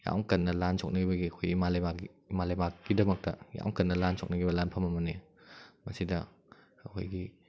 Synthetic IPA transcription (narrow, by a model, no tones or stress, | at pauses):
ja̰wŋkɐnːɐlansʰok̚nɐɡibɐɡiɐkʰojimalɐbakiːmalɐjmak̚ɡidɐmɐk̚tɐja̰wŋkɐnːɐlansʰok̚nɐɡibɐlanpʰɐmɐmɐni | mɐsidɐ | ɐkʰo̰jɡi